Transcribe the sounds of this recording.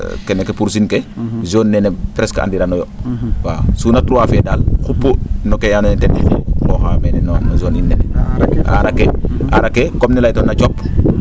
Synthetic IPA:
kenekepuɾsinkezoːnːɛnepɾɛskʔa̰ndiɾanɔjɔwaːsuːnatɾuwafedaːlxupːunokejanoitɛnɛŋɔxamenɛnonozoːninːɛnɛa̰ɾakːea̰ɾakːekomnilajtonat͡ʃɔpː

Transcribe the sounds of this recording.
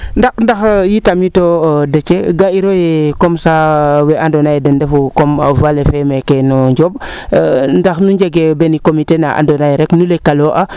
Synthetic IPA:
ndaxndaxjitamitodɛt͡ʃeɡaiɾojɛkɔmsawɛʔandonajdɛndɛfukɔmvalefɛmɛkɛnɔɲd͡ʒɔb̚ | ndaxnuɲɟeɡebɛnikomitenaʔa̰ndonajɾɛknulekaloʔa

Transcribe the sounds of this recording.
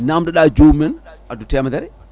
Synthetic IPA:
namdɛɗad͡ʒumɛn | adutɛmad̪ɛɾɛ

